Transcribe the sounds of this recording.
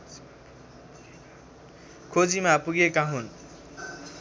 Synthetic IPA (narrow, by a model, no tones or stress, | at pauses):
kʰod͡zimapuɡekaɦun